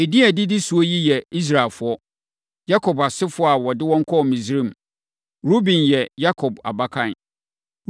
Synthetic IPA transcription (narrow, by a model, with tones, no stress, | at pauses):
e˨di˦æ˨dɪ˦dɪ˦su˨ɔ˦ji˦jɛ˨i˦s̬ɾa˨lfʊ˨˦ɔ˦ | ja˦kʰɔ˨ba˨sɪ˦fʊ˨˦ɔ˦a˨wɔ˨dɪ˦wɔ̃˦ŋ̩˦kʰɔ˦˨mĩ˨sɾĩ˦m˨ | ɾo˦bĩ˨njɛ˨ja˦kʰɔ˨ba̰˨ba˦kʰã˨n